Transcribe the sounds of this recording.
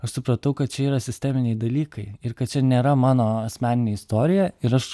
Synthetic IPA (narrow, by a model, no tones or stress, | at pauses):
ɐʃsʊpɾɐt̪ɐʊkɐt̪̚t͡ʃʲɛiːɾɐsʲɪsʲt̪ʲɛmʲɪnʲɛɪd̪ɐlʲiːkɐɪɪɾkɐt̪t͡ʃʲɛnʲeːɾɐmɑːnoːɐsʲmʲæːnʲɪnʲeːɪst̪oːɾʲɪjɛɪɾɐʃ